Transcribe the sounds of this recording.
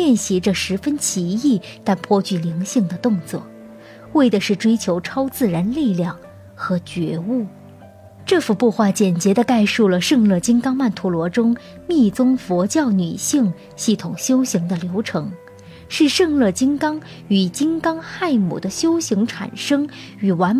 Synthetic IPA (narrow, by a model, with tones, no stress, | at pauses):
ljɛ˥˩nɕi˧˥ʈ͡ʂə˧ʂɻ̩˧˥fə˥nt͡ɕʰi˧˥i˥˩t̪a˥˩npʰwɔ˥t͡ɕy˥˩li˧˥ŋɕi˥˩ŋd̪ə˩t̪ʊ˥˧ŋt͡swɔ̰˥˩ | we˥˩ɪdə˩ʂɻ̩˥˩ʈ͡ʂwe˥ɪt͡ɕʰjo˧˥ʊʈ͡ʂʰɑ˥ʊt͡sɹ̩˥˩ɻa˧˥nli˥˧ljɑ˥˩ŋ | xɤ˧˥t͡ɕɥɛ̰˧˥u˥˩ | ʈ͡ʂɤ˥˩fu˧˩pu˥˧xwa˥˩t͡ɕjɛ˨˩nt͡ɕjɛ˧˥d̪ə˧ka˥˧ɪʂu˥˩lə˩ʂɤ˥˧ŋlɤ˥˩t͡ɕi˥ŋkɑ˥ŋma˥˩nt̪ʰu˧˥lwɔ˧˥ʈ͡ʂʊ˥ŋ | mi˥˩t͡sʊ˥ŋfɔ˧˥t͡ɕjɑ˥˩ʊny̰˨˩ɕi˥˩˧ŋ | ɕi˥˩t̪ʰʊ˨˩ŋɕjo˥ʊɕi˧˥ŋd̪ə˧ljo˧˥ʊʈ͡ʂʰɤ˧˥ŋ | ʂɻ̩˥˧ʂɤ˥˧ŋlɤ˥˩t͡ɕi˥ŋkɑ˥ŋ | y˨˩t͡ɕi˥ŋkɑ˥ŋxa˥˩ɪmṵ˨˩d̪ə˦ɕjo˥ʊɕi˧˥ŋʈ͡ʂʰa̰˨˩nʂɤ˥ŋ | y˨˩wa˧˥n